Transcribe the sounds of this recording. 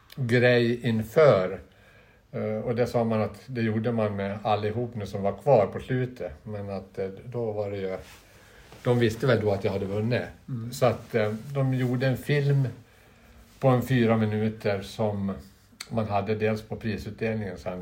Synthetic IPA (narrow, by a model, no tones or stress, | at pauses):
ɡɾɛjɪnfœːɾ | ɔd̪æsɑːmanat̪d̪ɛjuːɖəmanalːɪɦuːpnʉːsɔmvaɾkʰvɑːɾpʰɔslʉ̟ːt̪ʰəmɛnat̪d̪ɔvaɖɛjɵ | d̪̥ɔmvɪst̪əvɛld̪ɔat̪jahad̪ːəvɵnːɪsɔat̪d̪ɔmjuːɖəɛnfɪlm | pʰɔɛnfyːɾamɪnʉ̟ːt̪ʰəɾsɔmː | anɦad̪ːəd̪eːlspʰɔpʰɾiːsʉːt̪̚d̪eːlnɪŋənsɛn